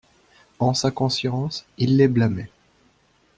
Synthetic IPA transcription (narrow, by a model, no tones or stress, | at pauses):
ɑ̃sakɔ̃sjɑ̃silːɛblame